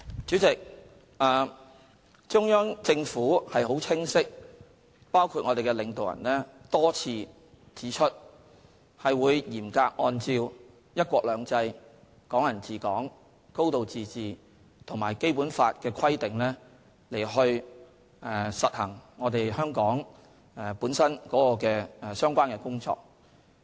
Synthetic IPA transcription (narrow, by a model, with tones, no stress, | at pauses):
t͡syː˨˥t͡sɪ˨k̚ | ʔaː˨ | t͡ʃʊ˥ŋjœː˥ŋt͡sɪ˧ŋfuː˨˥hɐ˨jɦo˨˥wt͡sʰɪ˥ŋsɪ˥k̚ | paː˥wkʰuː˧t̚ŋɔ˨˧t̪e˨jkɛː˧lɪ˨˧ŋt̪o˨wjɐ̰˨˩nlɛː˥t̪ɔː˥t͡sʰiː˧ | t͡siː˨˥t͡ʃʰɵ˥t̚ | hɐ˨jwuː˨˧jjiː˨˩mkaː˧k̚ʔɔː˧nt͡siː˧w | jɐ˥t̚kʷɔː˧k̚lœː˨˧ŋt͡sɐ˧j | kɔː˨˥ŋjɐ˨˩nt͡siː˨kɔː˨˥ŋ | ko˥wt̪o˨wt͡siː˨t͡siː˨ | t̪ʰʊ˨˩ŋma̰ː˨˩jke˥jpuː˨˥nfaː˧t̚kɛː˧kʰɐ˥jt̪ɪ˨ŋlɛː˥ | le˨˩jɦɵ˧ɥ | ʔɛː˨sɐ˨t̚hɐ˨˩ŋŋɔː˨˧t̪e˨jhœː˥ŋkɔː˨˥ŋ | ɛ˧puː˨˥nsɐ˥nkɔː˨˥kɔː˧kɛː˧ɛ˨˧sœː˥ŋkʷaː˥nkɛː˧kʊ˥ŋt͡ʃɔ̰ː˧k̚